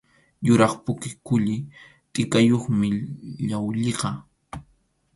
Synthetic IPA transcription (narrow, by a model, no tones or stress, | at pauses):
jʊɾɑχpʊkɪkʊʎɪ | t̪ʼɪkajoχmɪʎawʎeqɑ